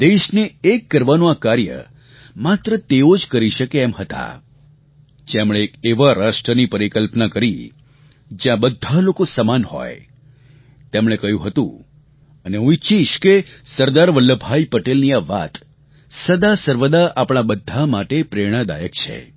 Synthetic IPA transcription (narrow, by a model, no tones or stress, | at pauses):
d̪eʃneːkːəɾʋanõakaɾjə̰ | mat̪ɾət̪eod͡ʒkəɾiʃəkeɛmhət̪a̰ | d͡ʒemɽ̃ekeʋaɾaʃʈɾənipəɾikəlpnakəɾi | d͡ʒjãbəd̪ʱːalokosəmanhɔ̰j | t̪emɽ̃ekəjũɦət̪ṵ̃ | əneũit͡ʃʰiʃkesəɾd̪aɾʋəlːəbʱaipəʈelniaʋa̰t̪ | səd̪asəɾʋəd̪aʔapɽ̃abəd̪ʱːamaʈepɾeɽ̃əd̪a̰jəkt͡ʃʰḛ